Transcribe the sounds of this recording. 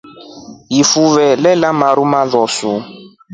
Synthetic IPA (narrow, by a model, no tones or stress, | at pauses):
jifuvɛlɛlamaɾumaðɔsu